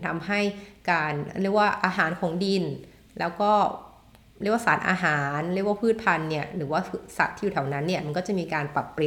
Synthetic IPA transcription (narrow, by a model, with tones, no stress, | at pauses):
t̪ʰa˧mɦa˥˩jkaː˧nɾi˥˩k̚waː˥˩ʔaː˧ɦaː˩˦nkʰo˨˩˦ŋdi˧n | lɛː˦˥wkɔː˥˩ | ɾi˥˩əkwaː˥˩saː˩˦nʔa̰ː˧ɦaː˩˦nɾi˥˩k̚waː˥pʰɯː˥˩t̪̚pʰa˧nːi˥˩ɐɾɯː˩˦waː˥˩˧sa̰˨˩t̪ʰːiː˥ju˨˩t̪ʰːwna˦˥nːi˥˩ma˧nkɔː˥˩t͡ɕa˨˩ʔmiː˧kaː˧npɾa˨˩pːɾi˨˩